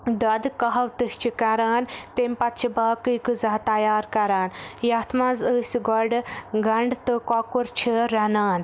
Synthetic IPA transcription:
d̪ɐd̪kɐɦɐwt̪ɨht͡ʃʰikɐɾaːnt̪emʲpɐt̪̚t͡ʃʰibaːkɨjkɨzɐɦt̪ɐjaːɾkɐɾaːnjaːt̪ʰmãːzəsʲɡɔɾɖɡɐɳɖt̪ɨkɔːkuɾt͡ʃʰiɾɐnaːn

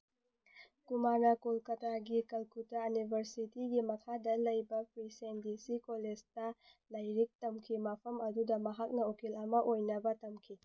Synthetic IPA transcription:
kumaɾnɐkolkɐtʰaɡikɐlkutɐːnibʱɐɾsitiɡimɐkʰadɐlɐjbɐpʰɾisendisikoled͡ʒtɐlɐjɾik̚tɐmkʰimɐpʰɐmɐdudɐmɐɦak̚nɐokelɐmɐʔojnɐbɐtɐmkʰi

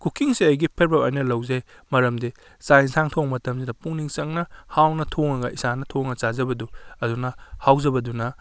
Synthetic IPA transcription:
kʰukiŋsiɐjɡipʰeɾbɐwɐjnɐlɐwzaj | mɐɾɐmdi | sajnsʰaŋtʰoŋmɐtɐmsinɐpuŋniŋt͡ʃɐŋnɐhawnɐtʰoŋɐɡɐʔisanɐtʰoŋɐt͡ʃazɐbɐduɐdunɐhawzɐbɐdunɐ

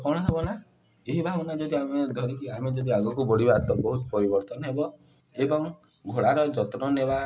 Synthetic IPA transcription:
kɔɽ̃ɔɦebɔna | eɦibʱaɡɔnad͡ʒɔd̪iamed̪ʱɔɾikiamed͡ʒɔd̪iaɡɔkubɔɽibat̪ɔbɔɦut̪ɔpɔɾibɔɾt̪ɔnɔɦebɔ | ebɔŋɡʱoɽaɾɔd͡ʒɔt̪ɾɔneba

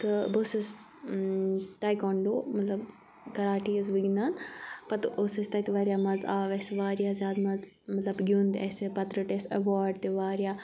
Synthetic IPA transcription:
t̪ɨbosɐs | t̪aːjkɔːɳɖoːmɐt̪lɐb | kɐɾaːʈizʋiɡinaːnpɐt̪ɨʔosɐst̪ɐt̪ʋaːɾjaːmɐzaːʋesʋaːɾjaːzjaːd̪mɐz | mɐt̪lɐbɡʲund̪ɛ̰sepɐt̪ɾəʈeːsɐʋaːɾɖt̪eʋaːɾijaː

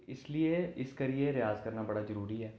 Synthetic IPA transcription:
ɪslieɪskaɾieɾɪjaːzkɐɾnabɐɽazɐɾuːɾiɦɛː

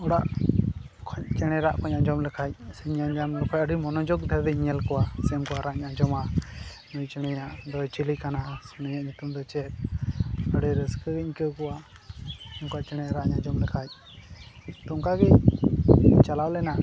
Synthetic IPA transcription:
ɔɽaʔ | kʰɔɲt͡ʃɛɽ̃ɛɾaʔkʰɔɲaɲd͡ʒɔmlɛkʰac̚sɛɲaɲd͡ʒamlɛkʰɔc̚əɖimɔnɔd͡ʒɔɡd̪ʱɛɾd̪ɛɲɛlkɔwasɛmkɔwaɾaɲad͡ʒɔma | nujt͡ʃɛɽ̃ɛɲaʔd̪ɔjt͡ʃilikanasnəɲaʔɲut̪umd̪ɔt͡ʃɛt̪̚ | əɽɛɾəskəɡɛɲkəkɔwa | mkɔaʔt͡ʃɛɽ̃ɛɾaʔɲad͡ʒɔmlɛkʰac̚ | t̪ɔŋkaɡɛ | t͡ʃalawlɛna

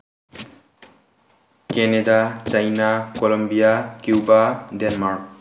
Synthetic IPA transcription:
kɛnedat͡ʃajnakɔlɔmbijakjubadɛnmaɹk̚

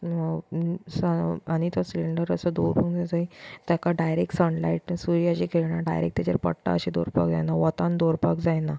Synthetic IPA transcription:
saanit̪ɔsiliɳɖəɾəsəd̪oɾpəkd͡zat̪ait̪jakaɖajɾek̚ʈsəɳlaiʈsuɾijat͡ɕikʰeɭɳaɖa̰jɾḛk̚t̪jat͡ɕa̰ɾpə̰ɽʈa̰əɕid̪oɾpa̰kd͡za̰jnaʋət̪ãnd̪oɾpakd͡zajna

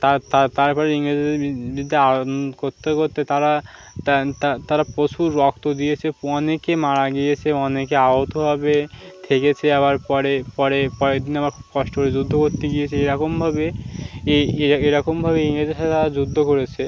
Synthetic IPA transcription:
t̪at̪at̪aɾpɔɾeiŋɾed͡ʑebid̪ʱːiaokoɾt̪ʰːekoɾt̪et̪aɾa | t̪t̪at̪aɾapɾot͡ɕʰuɾːɔkt̪od̪ijet͡ɕʰeɔnekemaɾaɡijet͡ɕʰeɔnekeaɦot̪oɦabet̪ʰeket͡ɕʰeaβaɾpɔɾepɔɾepɔɾed̪inamaɾkʰubkɔʃʈokoɾed͡ʑud̪ʱːokoɾt̪eɡiet͡ɕʰeeɾɔkombʱabeeeeɾɔkombʱabeiŋɾed͡ʑeʃat̪ʰet̪aɾad͡ʑud̪ʱːokoɾet͡ɕʰe

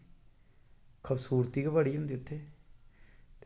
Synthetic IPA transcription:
kʰəbsuːɾt̪iːkeʋəɽiːʊ̃nd̪iːʊt̪ʰːeː | t̪

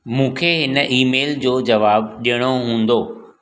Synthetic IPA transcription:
mũːkʰeɦɪnəʔiːmeːld͡ʑoːd͡ʑɐʋaːbɗijəɽ̃oɦũːn̆d̪oː

